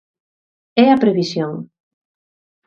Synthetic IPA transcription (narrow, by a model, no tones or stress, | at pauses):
ɛɐpɾeβisjoŋ